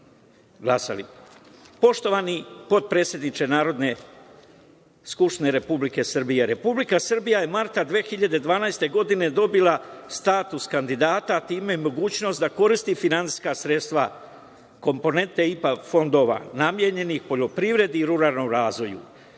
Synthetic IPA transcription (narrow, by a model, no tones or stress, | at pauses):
ɡlˠasa̰lḭ | po̞ʃt̪o̞ʋanipo̞t̪̚pɾe̞ːt̪sʲje̞d̪nit͡ʃe̞naːɾo̞d̪ne̞ | skupʃt̪ine̞ɾe̞publike̞srbije̞ɾe̞publikasrbijajemaɾt̪ad̪ʋeːxiʎad̪e̞d̪ʋaːnajst̪e̞ɡo̞d̪ine̞d̪o̞bilˠast̪aːt̪uskand̪id̪aːt̪at̪iːmeimo̞ɡuːt͡ɕno̞st̪d̪ako̞ɾist̪ifinant̪i̥skasɾe̞t̪st̪ʋa̰ | ko̞mpo̞ne̞nt̪eipafo̞nd̪o̞ːʋa̰namje̞ɲe̞nixpo̞ʎo̞pɾiʋɾe̞d̪iːɾuɾaːlˠno̞mɾaːzʋo̞jṵ